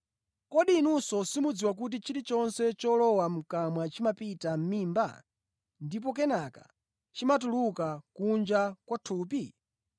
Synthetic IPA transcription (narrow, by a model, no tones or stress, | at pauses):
kɔɗinusɔsimud͡ziwak̬ut̬it͡ʃiɾit͡ʃɔnsɛt͡ʃɔlɔwam̩kamwat͡ʃimapitam̩miːmba̰ | ndip̬ɔk̬ɛnaka̰ | t͡ʃimatulukakund͡ʒakwatʰuːpi